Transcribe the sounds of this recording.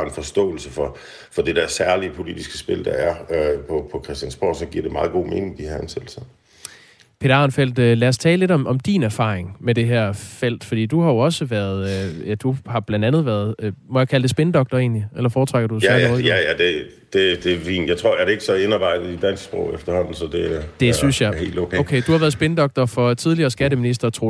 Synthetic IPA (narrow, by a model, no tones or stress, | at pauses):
enfɒ̽sd̥ɔ̰̽ːl̩səfɒ̽ | fɒ̽d̥e̝d̥æɐsæɐliəpʰo̝lid̥isɡ̥əsb̥e̝ld̥ɑæɐøpʰɒpʰɒ̽kʰʁɛsd̥jænsb̥ɒ̰ːsɒ̽ɡ̥iɐ̰d̥e̝mɑ̈ːð̞̩ˠɡ̥o̝̰ːme̝nɪ̝ŋd̥ihɑænsed̥lsɐ | pʰe̝ːdɑ̈nfel̰d̥ølæɐst͡sʰɛːləle̝dɒ̽mʔɒ̽md̥inæɐfɑ̰̈ːʁeŋmed̥e̝ɦæɐ̰fel̰d̥fɒ̽d̥ḭːd̥uhɑ̈jo̝ɒ̽səʋæɐð̞ˠd̥uhɑ̈b̥lænd̥ænð̞̩ˠʋæɐðˠmɒ̽jäkʰælədesb̥enəd̥ɒ̽ɡ̥̚d̥ɐe̝̰ːnliʔelɐfɒːt͡sʰʁaɡ̥ɐd̥usæoðˠæjæd̥e̝ | d̥e̝d̥e̝ʋḭːnjɑ̈ɪt͡sʰʁo̝ɐ̰jæɐɾee̝ɡ̥əsɒe̝nɑ̈b̥ɑ̈ɪ̰d̥ð̩ˠid̥æn̰sɡ̥sb̥ʁɔ̰ʊefd̥ɐhɒ̽n̰n̩sɒd̥e̝æd̥e̝synsjɑhe̝̰ːld̥lokʰɛ̰olkʰḛːd̥uhɑ̈ʋæːɐðˠsb̥enəd̥ɒ̽ɡ̥̚d̥ɐfɒ̽t͡sʰið̞ˠliɐːsɡ̥æɾəminis̬d̥ɐt͡sʰʁo̰